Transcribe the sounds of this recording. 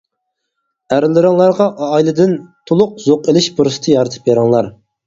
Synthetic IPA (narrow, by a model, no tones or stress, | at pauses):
æɾɪlːɪɾɪŋlˠɑɾʁɑʔːjlˠɨd̪ɪnt̪ʰolˠʊq̚zoqelɪʃbuɾɨsɨ̥t̪ʰɨjɑɾɨt̪ʰɨ̥pjeɾɪŋlˠɑɾ